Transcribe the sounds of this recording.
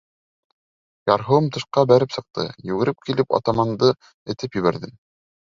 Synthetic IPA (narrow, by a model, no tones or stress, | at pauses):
jɑɾɦŏwɤmt̪ɤ̆ʃqɑbæɾɘpsɤ̆q̚t̪ɤ̰jɵ̆ɡɘ̆ɾɘp̚kilɘpɑ̰t̪ɑmɑnd̪ɤ | ɘ̆t̪ɘpjɵ̆βæɾðɘm